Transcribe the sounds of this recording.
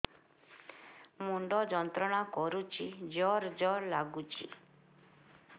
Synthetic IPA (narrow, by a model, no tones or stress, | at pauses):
muɳɖɔd͡ʒɔnt̪ɾɔɽ̃akɔɾut͡ʃʰid͡ʒɔɾd͡ʒɔɾlaɡut͡ʃʰḭ